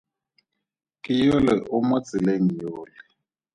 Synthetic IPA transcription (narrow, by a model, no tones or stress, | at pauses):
kʼijolɛʔʊmot͡sʼileŋijoːlɛ